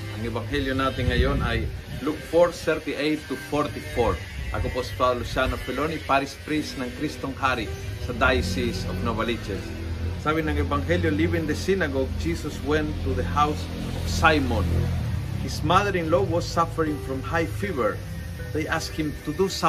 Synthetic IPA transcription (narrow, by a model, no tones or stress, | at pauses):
ãŋevãŋheljonat̪ĩŋajõnajlukfoɾθɛɾt̪iʔejt̪ːufoɾt̪ifoɹ | ʔa̰kopospɾaðlusanofelonipaɾispɾisnãŋkɾist̪õŋhaɾisad̪ajsisofnovalit͡ʃes | saβĩnãŋevãŋheljolivĩŋd̪esinaɡoɡ̚d͡ʒisoswɛ̃nt̪ːuðehaws | ofsajmõnhismaðəɾĩŋlowɔsːafəɾĩŋfɾɔ̃mhajfivəɹ | ðejʔaskhĩmt̪ud̪us